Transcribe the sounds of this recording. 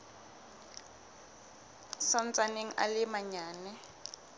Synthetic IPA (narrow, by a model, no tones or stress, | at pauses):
sɔnt͡sʼaneŋ̩a̰lɪmaɲaːnɛ